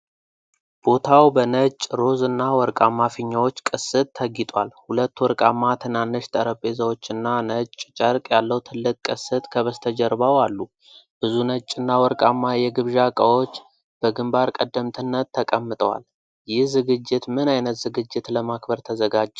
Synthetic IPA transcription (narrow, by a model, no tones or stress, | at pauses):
b̥o̞t̪ʰawbənət͡ʃʼɾo̞zɨnːawɔɾkʼamːafiɲːawo̞t͡ʃːkʼɨsɨt̪ːʰəɡɪt̪ʼwalhulət̪ːwɔɾkʼamːat̪ʰɨnanːɨʃt̪ʰəɾəpʼe̞zəwo̞t͡ʃːɨnːanət͡ʃʼt͡ʃʼəɾkʼjalːəwt̪ʰɨlːɨkʼkʼːɨsɨt̪ʼkʰəβəst̪ʰəd͡ʒəɾβawalːu | b̥ɨzunət͡ʃʼːɨnːawɔɾkʼamːajɛɡɨβʒakʼəwo̞t͡ʃː | b̥əɡɨmbaɾkʼəd̪ːəmt̪ʰɨnːət̪ʰːəkʼəmːɨt̪ʼəwa̰l | jɪhzɨɡɨd͡ʒːɪt̪mɨnajnət̪zɨɡɨd͡ʒːɪt̪ləmakbəɾt̪ʰəzəɡad͡ʒː